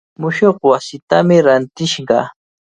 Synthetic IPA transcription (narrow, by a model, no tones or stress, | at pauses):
mʊʃoχwasɪt̪amɪɾant̪ɪʃɢɑ̰